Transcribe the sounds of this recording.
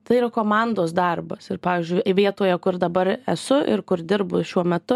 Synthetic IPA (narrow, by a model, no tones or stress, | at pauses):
t̪ɐɪiːɾɐkoːmɑnd̪oːs̬d̪ɐrbɐsɪrpɑːʋʲiːzʲd͡ʒʲʊɪʋʲiɛt̪oːjɛkʊrd̪ɐbɐɾɛsʊʔɪ̰rkʊɾd̪ʲɪɾbʊʃʲuɔmʲɛt̪ʊ